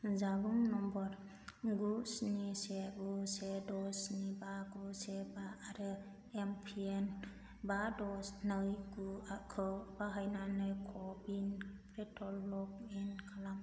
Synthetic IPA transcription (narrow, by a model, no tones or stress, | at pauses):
zabuŋnɔmbɔɾ | ɡusnisebusedɔsnibaɡusebaːɾɯ | empʰien | badɔsnɯjɡuakʰɯwbaɦajnanɯjkʰɔbinpɾetʰɔlːɔk̚inkʰalam